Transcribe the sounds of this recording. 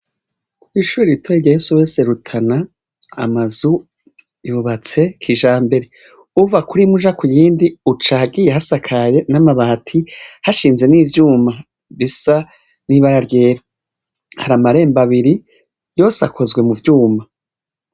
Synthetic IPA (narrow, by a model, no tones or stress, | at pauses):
kuwiʃuːɾiɾitʰoiɟajesuwe̞ːseɾutʰana̰ː | mazu | juβat͡se̞kʰiʒaːmbe̞ɾe̞ | uvakuɾimuʒakujiːndiut͡ʃahaɡijehasakʰaje̞namaβaːtʰihaʃiːnze̞niːvjuːma | βisa | niβaɾaɾje̞ːɾa | haɾamaɾe̞ːmbaβiɾi | jo̞ːsakʰo̞zɡwe̞muvjuːma